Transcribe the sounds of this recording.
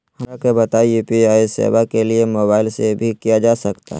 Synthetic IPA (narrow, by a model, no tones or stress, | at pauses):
hɐakebɐt̪aːiupiaːisḛːʋakeliemoːbaːɪlsebʱikijad͡ʒaːsɐkt̪a̰ɦ